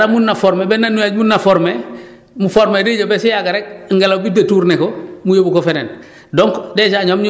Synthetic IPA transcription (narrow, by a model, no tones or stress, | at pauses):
ɾamunːafoɾmebenːanːujaːɟmunːafoɾme | mufoɾmediɟobesijaɡaɾek̚ŋɡelabidetuːɾnekomujobukofenḛn | doŋkdeːʃaɲomɲ